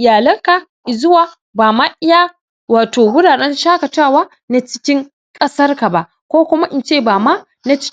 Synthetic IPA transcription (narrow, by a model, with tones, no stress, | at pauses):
ʔɪ˨jaː˨lɐ˦ŋka˨ʔɪ˨zʊ˦waː˨ | baː˨ma˦ʔɪ˦jaː˦ | waː˨toː˨wʊ˦daː˨ɗɛ˦nʃaː˦kɐ˨taː˦˨waː˦ | na˦t͡ʃɪ̥˦kʲɪ˦ŋ | kʼɐ˦sɐ˦rka˨ba˨ʔ | kʷoː˦kʷʊ˦ma˦ʔɪ˨nt͡ʃeː˦˨baː˨ma˦ | na˦t͡ʃɪ̥˦